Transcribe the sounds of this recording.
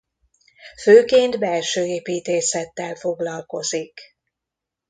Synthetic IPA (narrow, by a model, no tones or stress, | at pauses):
føːkeːnd̪bɛlʃøːeːpiːt̪eːsɛt̪ːɛlfo̞ɡlɒlko̞zik